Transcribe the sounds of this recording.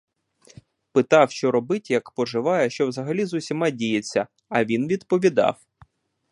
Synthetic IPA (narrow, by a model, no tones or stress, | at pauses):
pɪt̪ɑwʃt͡ʃɔɾɔbɪtʲjɐkpɔʒɪʋɑjɛʃt͡ʃɔwzɐɦɐlʲizʊsʲimɑdʲijet͡sʲːɐ | ɐʋʲinʋʲid̪pɔʋʲid̪ɑ̰w